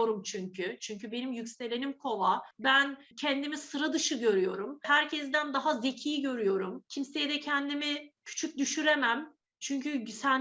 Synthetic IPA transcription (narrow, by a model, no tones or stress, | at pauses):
oɾumt͡ʃʰyɲcʰyt͡ʃʰyɲcybe̞nimjycʲse̞lʲe̞nimkʰo̞vabæncʰɛnd̪imisɯɾad̪ɯʃɯɟø̞ɾyjo̞ɾumhæɾcʰɛzd̪ænd̪aɦaze̞cʰiːiɟø̞ɾyjo̞ɾumcʰimse̞jɛd̪ɛcʰɛnd̪imicʰy̥t͡ʃʰyc̚d̪yʃyɾe̞mæm | t͡ʃʰyɲcysæn